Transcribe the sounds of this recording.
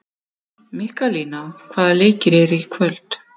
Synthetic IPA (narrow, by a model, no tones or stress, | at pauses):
mɪhkaliːnawkʰvaːðaleːcɪɾɛɾʏikʰvœlt̪